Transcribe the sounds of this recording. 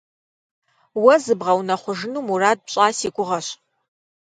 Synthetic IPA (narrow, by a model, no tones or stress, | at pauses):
wɐzɨbʁɐwnɐχʷʊʐɨnumuraːd̚pɕʼaːsikʷʼʊʁɐɕ